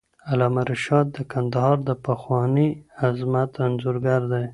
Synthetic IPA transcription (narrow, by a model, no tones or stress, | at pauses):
alɑmaɾɪʃɑd̪̚d̪əkʰand̪ahɑɾd̪əpaxwɑniazmat̪anzuɾɡaɾd̪aj